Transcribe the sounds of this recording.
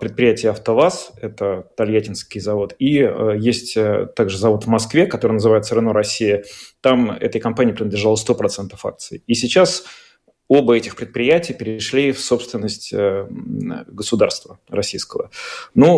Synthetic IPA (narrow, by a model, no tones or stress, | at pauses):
pɾʲɪt̪̚pɾʲɪjætʲɪjəɐft̪ɐvasɛt̪ət̪ɐlʲjætʲɪnskʲɪjzɐvo̞t̪ijesʲtʲt̪aɡʐɨzɐvo̞t̪vmɐskvʲekɐt̪o̞ɾəjnəzɨvajɪt̪səɾɨnoɾɐsʲːijət̪amɛ̰t̪əjkɐmpanʲɪjəpɾɪnəd̪lʲɪʐalˠəst̪o̞pɾɐt̪sɛnt̪əfa̰k̪̚sɨɪisʲɪt͡ɕas | o̞bəɛtʲɪxpɾʲɪt̪̚pɾʲɪjætʲɪjpʲɪɾʲɪʂlʲifso̞pst̪vʲɪnːəsʲtʲə | ɡəsʊd̪arst̪və | ɾrɐsʲijskəvənu